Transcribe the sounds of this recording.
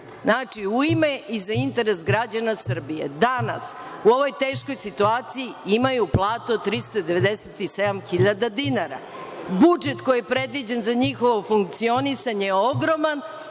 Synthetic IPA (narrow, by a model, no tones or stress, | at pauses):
znat͡ʂiuimeʔizaint̪e̞ɾesɡɾad͡ʑanasr̩bije̞̰d̪ana̰suo̞ʋo̞jt̪e̞ːʃko̞jsit̪uaːt̪sijiimajuplˠaːt̪uod̪̚t̪ɾist̪ad̪eʋe̞d̪e̞set̪ise̞d̪amxiʎad̪ad̪inaɾa̰ | bud͡ʒe̞t̪ko̞jijepɾe̞d̪ʋid͡ʑenzaɲixo̞ʋo̞fuŋk̚t̪sio̞nisaɲeeo̞ɡɾo̞man